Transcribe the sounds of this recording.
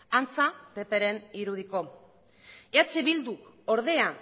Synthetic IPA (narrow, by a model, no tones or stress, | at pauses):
ant͡sapepe̞ɾe̞niɾuð̞iko̞ | eat͡seβild̪u | o̞ɾð̞e̞a